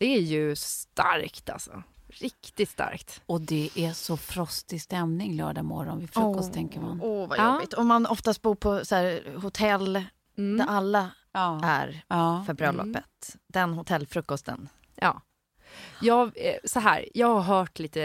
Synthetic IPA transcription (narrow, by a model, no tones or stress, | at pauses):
d̪̥ɛæjɵst̪a̰ɾkt̪ʰa̰lsɔ̰ɾɪkt̪ɪt̪st̪a̰ɾkt̪ɔd̪ɛʔæsɔfɾɔst̪ɪst̪ɛmnɪŋlœ̰ːɖamɔ̰ɾɔnvɪfɾɵkːɔst̪ʰɛŋkəɾmanɔva̰jɔbɪt̪ɔmːanɔft̪ast̪̚buːɾpʰɔsɔæːɾhʊt̪ʰɛlː | d̪æʔalːa | æ̰ɾɑːfœɾbɾœlːʔɔ̰pːət̪d̪ɛnɦʊt̪ʰɛlːfɾɵkːɔst̪ʰə̰n | ʔɑ̰ː | jɑːɡsɔɦæ̰ːɾjɑːɡhaɾɦœːʈliːt̪ə